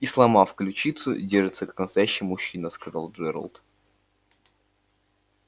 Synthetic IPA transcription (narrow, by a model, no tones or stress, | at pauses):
islˠɐmafklʲʉt͡ɕit̪sʊ̰dʲerʐɨt̪səkḁknəst̪ɐjæɕːɪjmʊɕːinəskɐzɑlˠʐɛɾə̰lˠt̪